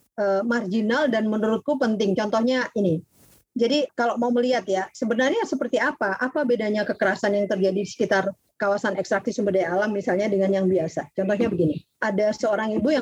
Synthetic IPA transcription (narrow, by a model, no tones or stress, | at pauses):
ʔəːmard͡ʒinaldanmənuɾʊt̪̚kupənt̪ɪŋt͡ʃɔnt̪ɔhɲaʔini | d͡ʒadikaloʔmauməliɦat̪jasəbənarɲasəpərt̪iapaʔapabedaɲakəkəɾasanjaŋt̪ərd͡ʒadidisə̥kit̪ar | kawasanɛkst̪ɾak̚sɪsəmbədajalamːisalɲadəŋanjaŋbiasat͡ʃɔnt̪ɔhɲabəɡini | adasəoɾaŋibuja